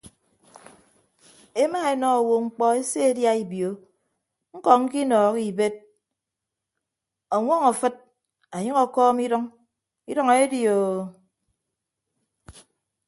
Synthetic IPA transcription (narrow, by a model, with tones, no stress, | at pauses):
e˦ma˦e˦nɔ˦˨wo˨ŋ͡m̩˦k͡pɔ˦e˦se˦e˦dja˦i˨bjo˨˦ | ŋ̩˦kɔ˨ŋ̩˦ki˦nɔː˨ki˨be˦t̚ | ɔ˨ŋʷɔ˦ŋɔ˨fɨ˦t̚ | a˨ɲɨ˦ŋɔ˨kɔː˦mi˦ɾɔ˦ŋ | i˦ɾɔ˦ŋe˦djo˨